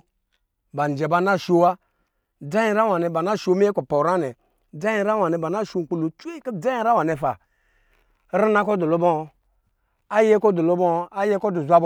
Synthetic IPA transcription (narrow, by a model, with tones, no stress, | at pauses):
ba˨n˨d͡ʒɛ˨ba˧˦na˦˨ʃo˦wa˦ | da˦i˨˦ɾa˦wa˨nɛ˨ba˨na˦˨ʃo˨˦mi˦e˦ko˨po˨ɾa˦nɛ˨ | d͡za˦jĩ˦ɾa˦wa˨nɛ˨ba˨na˦˨ʃo˦˨ŋ̩˨k͡pu˦lo˨t͡ʃu˦e˦kə˦d͡za˦i˦ɾa˦wa˨ne˨fa˨˦ | ɾi˦na˦kɔ˦do˨lo˦bɔ˦˨ | a˦je˦kɔ˦du˨lo˦bɔ˦˨˦a˦je˦kɔ˦du˨zʷa˦b